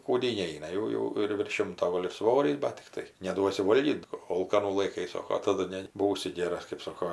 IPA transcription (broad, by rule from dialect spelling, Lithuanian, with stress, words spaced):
kuːˈdʲiːn ˈnʲɛɪnɐ ˈjɛʊ jɛʊ ɪr ʋʲɪrʃ ˈʃʲɪmtoː ˈɡoːlʲ ɪr ˈsʋoːrʲiːs bɐt tʲɪkˈtɐɪ nʲɛˈduɔsʲɪ ˈʋoːlʲɡʲiːt ˈoːlˠkɐnuː lˠɐɪˈkɐɪ ˈsoːkoː tɐˈdʊ nʲɛ ˈbuːsʲɪ ˈɡʲeːrɐs kɜp ˈsoːkoː